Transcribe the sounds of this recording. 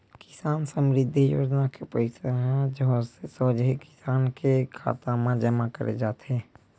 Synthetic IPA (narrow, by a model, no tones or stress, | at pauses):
kɪ̥saːnsəmɾɪd̪ʱːijo̰ːd͡ʒnakepəɪsaɦɛ̃d͡ʒsesəd͡ʒikɪ̥saːnkekʰa̰ːt̪amãd͡ʒəmakəɾʔḛd͡ʒaːt̪ɦɛː